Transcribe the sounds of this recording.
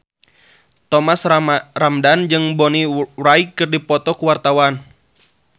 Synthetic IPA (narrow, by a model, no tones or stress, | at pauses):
t̪ɔmasramdand͡ʒɨŋbɔniraikːɨrdipɔt̪ɔkuwart̪awan